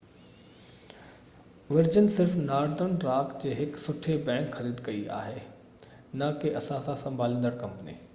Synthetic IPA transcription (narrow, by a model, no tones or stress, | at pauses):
ʋɪɾd͡ʑən̆sɪɾfnaːɾd̪ənɾaːkʰd͡ʑeːɦɪksʊʈʰebɛ̃ːŋkxɐɾiːd̪kɐia̰ːɦeː | nɐkeʔɐsãsãsɐ̃mbʱaːlĩːnd̪əɽkɐ̃mpənḭː